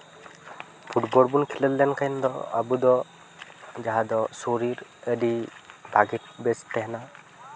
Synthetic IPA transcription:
pʰuʈbɔɽbunkʰiləllɛnkʰajnd̪ɔa̰bud̪ɔ | d͡ʒaɦad̪ɔsoɾiɾəɖipaɡit̪̚bɛst̪ːɛɦɛna

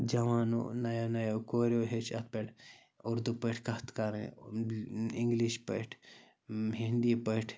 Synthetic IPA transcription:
d͡ʒɐʋaːno̰nɐjonɐjokoːɾoɦet͡ʃʰɐt̪̚peʈʰ | uɾd̪upeʈʰkɐt̪kaɾḛ̃ | iŋɡliʃpɐʈʰ | ɦind̪ipɐʈʰ

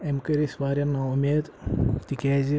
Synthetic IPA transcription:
emkɐɾisʋaːɾʲjɐnaːumʲeːd̪t̪ikʲeːzi

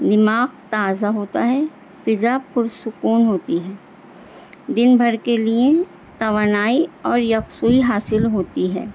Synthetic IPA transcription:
d̪ɪmaːqt̪aːzaɦoːt̪aɦɛ | fɪzapʊɾsʊkuːnɦoːt̪iɦɛː | d̪ɪnbʱɐɾkelie | t̪ɐʋaːnaːiɔːɾjɐksuːiɦaːsɪlɦoːt̪iɦɛ̰ː

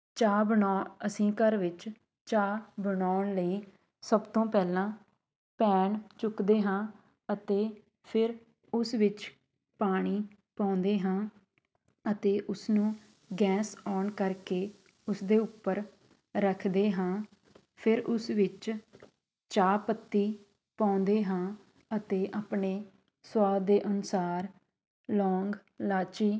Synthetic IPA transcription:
t͡ʃaːbəɳaːəsĩːkəɾʋɪt͡ʃ | t͡ʃaːbəɳaːɳləiː | səbt̪õːpɛːlãː | pɛːɳt͡ʃʊkd̪eːɦãː | ət̪eː | pʰɪɾ | ʊsʋɪt͡ʃ | paːɽ̃iː | pãːnd̪eːɦãː | ət̪eːʔʊsnũː | ɡɛːsɔːnkəɾkeː | ʊsd̪eːʊpːəɾ | ɾəkʰd̪eːɦãː | pʰɪɾʔʊsʋɪt͡ʃ | t͡ʃaːpət̪ːiː | pãːnd̪eːɦãː | ət̪eːʔaːpɳeː | swaːd̪eːʔənʊsaːɾ | lɔːŋɡlaːt͡ʃiː

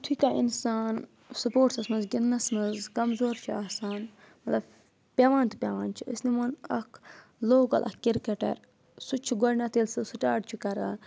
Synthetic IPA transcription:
t̪ʰikaːʔḭnsaːn | supoːʈsɐsmɐnzɡʲinːɐsmɐzkɐmzoːɾt͡ʃʰiaːsaːn | mɐt̪lɐb̚ | pʲeːʋaːnt̪ɨ̥pʲeːʋaːnt͡ʃʰiə̰snimɐnɐkʰloːɡɐ̰lʔɐ̰kkiɾkeʈɐ̰ɾ | sut͡ʃʰiɡɐɾnʲat̪eːlsɨsuʈaːʈt͡ʃʰukɐɾa

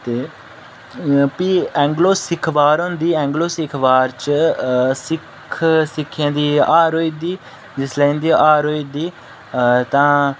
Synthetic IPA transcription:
t̪eː | piːɛ̃ːŋɡloːsɪkʰʋaːɾõnd̪iːɛ̃ːŋɡloːsɪkʰʋaːɾt͡ʃ | sɪkʰsɪkʰːjãːd̪iːaːɾoːiːd̪iː | d͡ʒɪslɛ̃ĩːnd̪iːʔaːɾoːiːd̪iː | t̪ãː

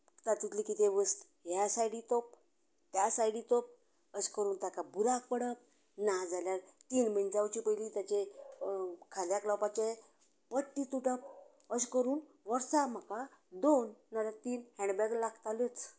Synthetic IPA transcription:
t̪at̪ut̪likit̪eʋəst̪ | jasajɽit̪ɔp̚ | t̪jasajɽit̪ɔp̚ | əskəɾuːnt̪akabuɾak̚pəɽəp̚ | nad͡zaljaɾt̪iːnmənd͡zawt͡ɕipəjlit̪jat͡ɕe | kʰaljaklawpat͡ɕe | pəʈːit̪uʈəp̚ | əskəɾuːn | ʋəɾsam̤əkad̪onːaɾat̪iːnhɛ̃ɳɖbɛɡlaɡt̪alet͡s

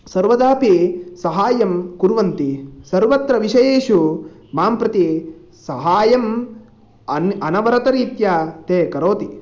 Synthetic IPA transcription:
sɐɾʋɐd̪aːpisɐɦaːjɐmkuɾʋɐnt̪isɐɾʋɐt̪ɾɐʋiʃɐjeːʃu | maːmpɾɐt̪i | sɐɦaːjɐm | ɐnɐnɐʋɐɾɐt̪ɐɾiːt̪jat̪eːkɐɾoːt̪i

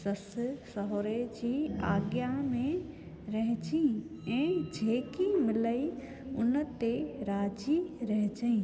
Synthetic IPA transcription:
səssəɦoɾed͡ʒiːaːɡjamẽ | ɾɐɦd͡ʒĩ | ɛ̃ːd͡ʒʱeːkimɪləi | ʊnət̪eɾaːd͡ʒiɾəɦd͡ʒəĩ

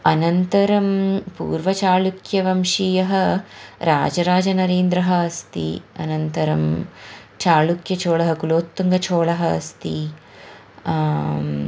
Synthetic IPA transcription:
ɐnɐnt̪ɐɾɐmpṵːɾʋɐt͡ʃaːlukjɐʋɐmʂijɐɦɐ̆ɾa̰ːd͡ʒɐɾaːd͡ʒɐnɐɾeːnd̪ɾɐɦɐːst̪ḭɐ̰nɐnt̪ɐɾɐm | t͡ʃaːlukjɐt͡ʃoːɭɐɦɐkuloːt̪ːuŋɡɐt͡ʃʰoːɭɐɦɐ̰ːst̪i

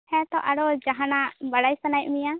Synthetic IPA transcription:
hɛ̃t̪ɔʔaɽɔd͡ʒaɦanaʔbaɽajsanaj̚mija

